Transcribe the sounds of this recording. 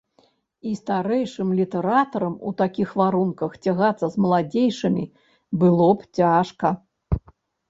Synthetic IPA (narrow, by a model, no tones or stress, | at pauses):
ist̪aɾɛjʂɨmlʲit̪ɛɾat̪ɐɾɐmṵt̪akʲixvaɾunkɐxt͡sʲaɣat̪sːɐzmɐlˠad͡zʲejʂɨmʲḭ | bɨlˠɔpt͡sʲaʂkɐ